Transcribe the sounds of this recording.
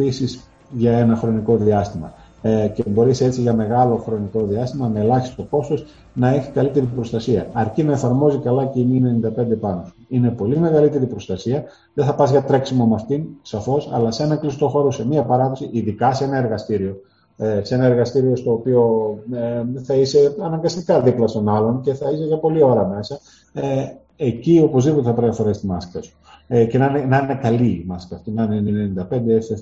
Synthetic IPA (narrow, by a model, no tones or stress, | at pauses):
isis | ʝɐe̞nɐxɾo̞niko̞ðiɐst̪imɐ | cebo̞ɾise̞t͡siʝɐme̞ɣɐlo̞xɾo̞niko̞ðiɐst̪imɐme̞lɐçi̥st̪o̞ko̞st̪o̞s | nɐe̞çi̥kɐlit̪e̞ɾipɾo̞st̪ɐsiɐɐɾcinɐe̞fɐɾmo̞zikɐlɐceimine̞nind̪ɐpe̞nd̪e̞pɐnosuine̞po̞lime̞ɣɐlit̪e̞ɾipɾo̞st̪ɐsiɐ | ðeθɐpɐzʝɐt̪ɾe̞ksimomɐft̪insɐfo̞sɐ̰lɐseenɐklist̪o̞xo̞ɾose̞miɐpɐɾɐðo̞siʔiðikɐseenɐe̞ɾɣɐst̪iɾio̞ | esee̞nɐe̞ɾɣɐst̪iɾio̞st̪o̞ːpio̞eθɐise̞ɐnɐŋɡɐst̪ikɐðiplɐst̪o̞nɐlo̞nce̞θɐiseʝɐpo̞lio̞ɾɐme̞sɐ | ecio̞po̞zðipot̪e̞θɐpɾɐjɐfoɾest̪imɐskɐsu̥ | ce̞nɐnenɐnekɐliːmɐskɐft̪inɐnennenind̪ɐpe̞nd̪eese